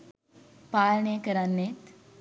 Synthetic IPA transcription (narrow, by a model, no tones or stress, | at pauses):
paːlənejəkəɾanːet̪